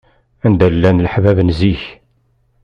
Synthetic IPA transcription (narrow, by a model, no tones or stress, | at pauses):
ænd̪ælːænlħvævənziç